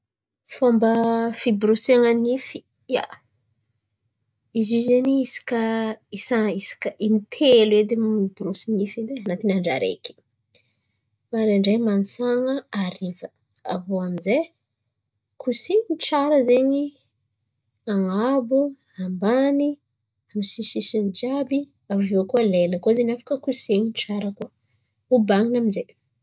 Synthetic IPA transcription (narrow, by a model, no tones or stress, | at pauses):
fambəfibɾuseŋənifi̥ | ja̰ | izizeniisi̥kəisaisi̥kəinit̪ʰelued̪emmibɾusinifind̪enat̪inaɳɖ͡ʐa̰ɾḛki̥ | maɾeaɳɖ͡ʐemanisaŋəaɾivə | a̰voaminze | kʰusinʈ͡ʂaɾəzeɲi | aŋabu | ambani | amisisisind͡ʒabi | avuviakuəleləkuəzenafḁkəkusieɲinʈ͡ʂaɾəkuə | ubaŋinaminzej